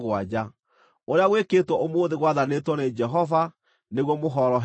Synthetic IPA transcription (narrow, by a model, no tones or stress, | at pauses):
ɣwad͡ʑa | oɾeaɣweketwɔʔomoːðeɣwaðanetwɔned͡ʒɛɦɔva | neɣwɔmoɦɔɾɔɦ